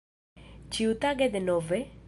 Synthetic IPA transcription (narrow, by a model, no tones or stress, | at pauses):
t͡ʃiut̪aɡɛd̪enɔvɛ